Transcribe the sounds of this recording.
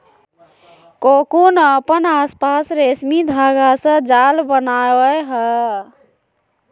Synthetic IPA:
kokunəpənaspasɾesmid̪ʱaɡasə̃d͡ʒalbənawəɦə

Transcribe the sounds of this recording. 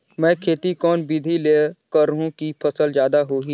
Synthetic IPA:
mɛ̃ːkʰeːt̪ikɔːnbid̪ʱileːkəɾɦũkipʰɐsəlzjaːd̪aɦoːɦi

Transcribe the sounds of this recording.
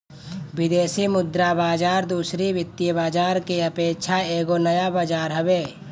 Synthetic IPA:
wɪd̪eːsimʊd̪ɾabaːd͡ʒaːɾd̪uːsɾiʋɪt̪ːijəbaːd͡ʒaːɾkeɐpeːkʃʰaeːɡonɐjabaːd͡ʒaːɾɦɐbeː

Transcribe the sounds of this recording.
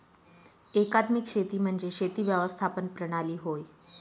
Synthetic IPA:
ekat̪mikɕet̪iːm̤əɳd͡zeɕet̪iːʋjəʋəst̪ʰapənpɾəɽ̃aliːɦoj

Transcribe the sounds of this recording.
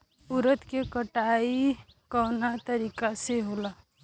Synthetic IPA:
ʊɾət̪kekəʈai | kɔːnat̪əɾiːkaseɦola

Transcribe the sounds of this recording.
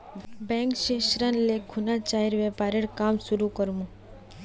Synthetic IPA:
bɛ̃ŋkʃeʃɾənlekʰunat͡ʃaɦiɾʋɛpaɾeɽkamʃuɾukəɾʋũ

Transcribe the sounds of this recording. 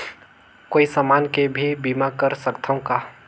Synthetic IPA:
koːisamaːnkebʱibiːmakəɾsɐkt̪ʰaõkaː

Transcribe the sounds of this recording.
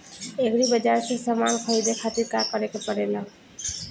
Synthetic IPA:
ekɾibəd͡ʒaɾsesəmankʰəjd̪ekʰat̪iɾkakəɾekepəɽela

